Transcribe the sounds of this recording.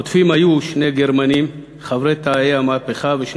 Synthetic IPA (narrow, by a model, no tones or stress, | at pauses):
ot̪fimajuʃne̞ɡeɾmanim | χavɾet̪ajeamapeχaveʃ